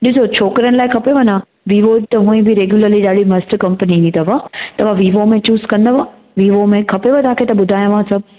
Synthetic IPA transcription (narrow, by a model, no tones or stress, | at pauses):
ɗɪsot͡ɕʰoːkɾəñɪlaːɪkʰɐpeʋɐnã | ʋiːʋot̪ɐɦũːĩbɪɾeːɡjuləɾliɗaːɽimɐsʈkɐ̃mpəniĩt̪ɐʋat̪ɐʋaʋiːʋomẽt͡ɕuːskɐ̃nd̪ɐʋa | ʋiːʋomẽkʰɐpeʋɐt̪aːkʰet̪ɐɓʊd̪ʱaːjãʋãsɐb